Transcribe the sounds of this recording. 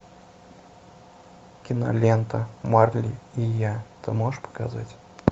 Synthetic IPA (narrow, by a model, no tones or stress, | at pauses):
kʲɪnɐ̰lʲent̪əmarlʲḭijat̪ɨmoʂpə̥ka̰zatʲ